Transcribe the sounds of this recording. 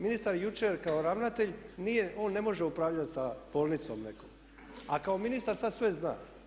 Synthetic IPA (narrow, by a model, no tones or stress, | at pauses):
minist̪aɾjut͡ʃeɾkaoɾaʋnat̪e̞ʎnije̞o̞ːnːe̞mo̞ʒeupɾaʋʎat̪sab̥oːlˠnit̪somnḛkom | akao̞minist̪aɾsad̪sʋe̞zna̰ː